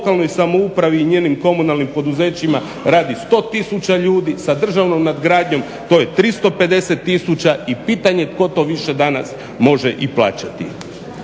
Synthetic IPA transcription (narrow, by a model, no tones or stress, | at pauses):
kalˠno̞jsamo̞upɾaʋiːɲeːnimko̞munalˠnimpo̞d̪uze̞ːt͡ɕima | ɾaːd̪ist̪o̞t̪isut͡ɕaʎuːd̪isad̪r̩ʒaʋno̞mnad̪ɡɾaːd̪ɲo̞m | t̪o̞ːjet̪ɾist̪o̞pe̞d̪e̞se̞t̪ːisut͡ɕaipiːt̪aɲe̞t̪ko̞t̪o̞ʋiʃe̞d̪anas | mo̞ʒeʔiplˠa̰ːt͡ɕat̪ḭ